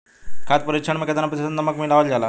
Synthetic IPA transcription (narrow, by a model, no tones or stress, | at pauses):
kʰat̪̚pəɾikt͡ʃʰəɳmẽket̪anapit̪ʰesnnɐməkmilaʋəld͡ʑala